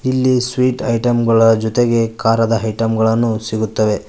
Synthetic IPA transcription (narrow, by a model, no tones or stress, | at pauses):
ilːisʋiːʈɐjʈɐmɡɐɭɐd͡ʒɔt̪eɡe̞kaːɾɐd̪ɐɐjʈɐmɡɐɭɐnːusiɡut̪ːɐʋe̞